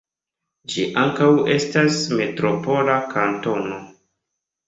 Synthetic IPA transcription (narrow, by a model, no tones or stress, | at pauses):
d͡ʒiʔaŋkawe̞stasme̞tɾopo̞lakʰanto̞no̞